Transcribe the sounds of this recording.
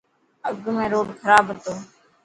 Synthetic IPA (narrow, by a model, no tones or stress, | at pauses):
əɡʱmẽːɾoːɖkʰəɾaːbʱət̪oː